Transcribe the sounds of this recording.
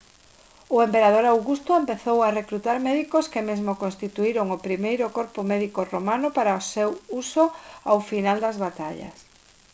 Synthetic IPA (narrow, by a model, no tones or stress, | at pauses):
ʊempeɾað̞oɾawɣust̪oempeθowarekɾut̪aɾmɛðikoskemezmokõnst̪it̪uiɾoŋopɾimejɾʊkoɾpomɛðikoromanʊpaɾaosewusoawfinald̪ɐzβat̪aʎɐ̰s